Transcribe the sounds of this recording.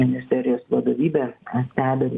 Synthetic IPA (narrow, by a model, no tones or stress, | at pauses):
ɪnʲɪsʲt̪ʲɛːɾʲɪjoːsʋɐd̪oːʋʲiːbʲɛːɛsʲt̪ʲæːbʲɛɾʲ